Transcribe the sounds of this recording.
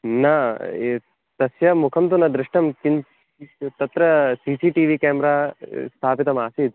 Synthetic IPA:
nɐ | t̪ɐsjɐmukʰɐmt̪unɐd̪ɾɪʂʈɐmkin | t̪ɐt̪ɾɐsiːsiːʈiːʋiːkeːmɾaːst̪ʰaːpit̪ɐmaːsid̪

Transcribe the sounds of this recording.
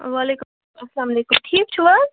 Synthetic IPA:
ʋalekum | ɐslaːmɐleːkumʈʰiːk̚t͡ʃʰuwɐ

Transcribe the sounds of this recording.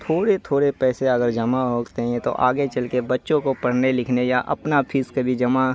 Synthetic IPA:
t̪ʰoːɽet̪ʰoːɽepɛːseɐɡəɾd͡ʒɐmaɦoːɡt̪eɦɛ̃t̪o̰ʔaːɡet͡ʃɐlkebɐtːʃõkopɐɽ̤nelɪkʰnejaʔɐ̰pnapʰiːskebʱid͡ʒɐma

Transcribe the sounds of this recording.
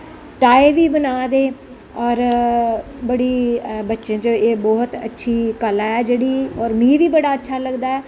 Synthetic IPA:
ʈaːeːʋiːbənaːd̪eː | ɔːɾ | bəɽiːbətːʃãːt͡ʃoeːbɔːt̪ə̰tːʃʰiːkəlaːɛːd͡ʒeːɽiːɔːɾmĩːʋiːbəɽaːətːʃʰaːləɡd̪aːɛː

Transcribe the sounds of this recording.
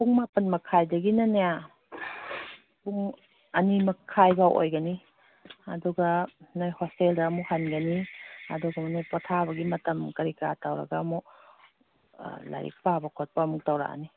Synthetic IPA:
puŋmapɐnmɐkʰajdɐɡinɐneja | puŋ | ɐnimɐkʰːajbaʔo̰jɡɐni | ɐ̰duɡɐnajhosteldɐːmuhanɡɐniɐ̰duɡɐmanajpɔtʰabɐɡimɐtɐmkɐɾika̰tawɾɐ̰ɡamu | la̰ɾḭk̚pabɐkʰɔt̚pɐmuk̚tawɾa̰a̰ni

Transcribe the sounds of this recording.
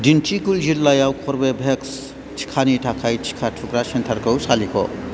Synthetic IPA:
ɖint͡ʃʰikuld͡ʒilːajawkʰoɾbebʱeks | t͡ʃʰi̥kʰaniʈʰakʰajt͡ʃʰi̥kʰaʈʰukɾaʃɐnt̪ʰɐɾkɐwsaliko

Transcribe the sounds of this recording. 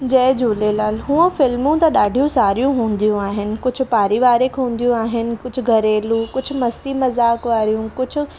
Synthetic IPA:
d͡ʑɐɪd͡ʑuːlelaːlɦũːə̃fɪlmũt̪ɐɗaːɖʱijũsaːɾijũɦũːn̆d̪ijũaːɦɪnɪ̆kʊd͡ʑʱʊ̆paːɾiʋaːɾekʰɦũːn̆d̪ijũaːɦɪnɪ̆kʊd͡ʑʱʊ̆ɡʱɐɾeːlũkʊd͡ʑʱʊ̆mɐst̪imɐzaːkʋaːɾijũkʊd͡ʑʱʊ̆

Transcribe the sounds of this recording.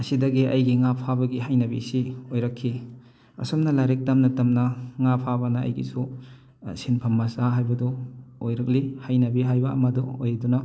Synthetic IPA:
ɐsidɐɡiʔɐjɡiŋapʰabɐɡiɦajnɐbḭsiojɾɐkʰːi | ɐ̰somnɐlaɾek̚tɐmnɐtɐmnɐŋapʰabɐnɐɐ̰jɡḭsu | sinpʰɐmːɐsaɦajbɐdɔojɾɐk̚lihajnɐbiɦajbɐɐ̰mɐdɔojɾidunɐ

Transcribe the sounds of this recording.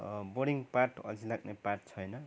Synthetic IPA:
boɖiŋɡparʈʌd͡zilaɡneparʈ̚t͡sʰʌjnʌ

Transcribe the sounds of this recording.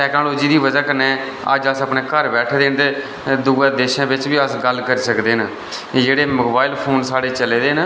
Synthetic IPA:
ʈɛːknoːloːd͡ʒiːd̪iːʋəd͡ʒaːkəɾneː | ə̰d͡ʒəsəpneːkəɾbɛːʈʰːd̪eːnd̪eː | d̪ʊɡaːd̪eːʃãːbɪt͡ʃbiːəsɡəlkəɾiːsəkd̪eːnə | d͡ʒeːɽeːmʊːbaːɪlpʰoːnsaːɽeːt͡ʃəleːd̪eːn

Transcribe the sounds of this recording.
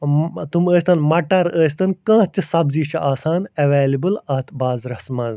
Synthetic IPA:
t̪uməːsʲt̪ɐnmɐʈɐɾəːst̪ɐnkãːt͡ʃɨsɐbziːʃʰʔaːsaːnɐʋeːlibɨlɐt̪ʰbaːzɾɐsmaːn

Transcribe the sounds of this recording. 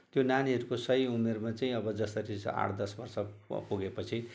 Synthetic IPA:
t̪jonaniɦʌɾukosʌɦiumermat͡saĩʌbʌd͡zʌst̪ʌɾisa̰ʈʰd̪ʌsbʌrsʌpuɡepʌt͡sʰi

